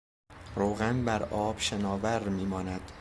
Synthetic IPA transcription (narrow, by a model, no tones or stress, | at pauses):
ɾoːɣænbæɾʔɒːb̥ʃenɒːvæɾmiːmɒːnæd̪̥